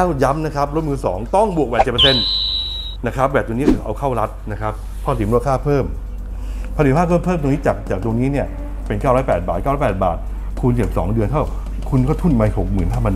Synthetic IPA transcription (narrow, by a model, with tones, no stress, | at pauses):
wja˦˥mna˦˥kʰɾa˦˥p̚ɾo˦˥t̪̚mɯː˧sɔ̰ː˩˦ŋt̪ɔ˥˩ŋbu˨˩ək̚ɛː˨˩t̪̚t͡ɕe˨˩pːse˧n | na˦˥kʰɾa˦˥p̚wɛː˨˩t̚t̪ːŋnː˦˥˩kʰːʔa˧wkʰa˥˩wɾa˦˥t̪̚na˦˥kʰɾa˦˥p̚ʰːɔ˧˥˩sʰi˨˩˦ɾu˥˩əkʰaː˥˩pʰɤː˥˩m | pʰa˧i˨˩˦aː˥˩kʰoː˥˩pʰɤː˥˩mt̪o˧niː˦˥t͡ɕaː˨˩k̚t͡ɕaː˨˩k̚t̪o˧ŋniː˦˥ni˥˩ɐ | pe˧nkaː˥˩ɾɔː˦˥jpɛː˨˩t̪̚baː˨˩t̪̚aː˥˩ɾɔ˦˥pɛː˨˩t̪̚ba̰ː˨˩t̪̚ | kʰu˧nt͡ɕe˨˩p̚sɔ̰ː˩˦ŋdɯ˧ənt̪ʰa˥˩w | kʰu˧nkɔː˥˩t̪ʰu˥˩nmaː˧ho˨˩k̚mɯː˨˩nɦaː˥˩pʰa˧n